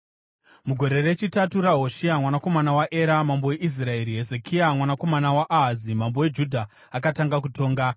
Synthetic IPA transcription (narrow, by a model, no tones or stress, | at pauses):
muɡʱo̞ɾe̞re̞t͡ʃitatuɾaɦo̞ʃiamwanako̞manawaʔe̞ɾamambowe̞ʔis̬rae̞ɾiɦe̞zekʰiamwanako̞manawaʔaɦazimambowe̞d͡ʒudʱa | akataŋɡak̬utʰo̞ːŋɡa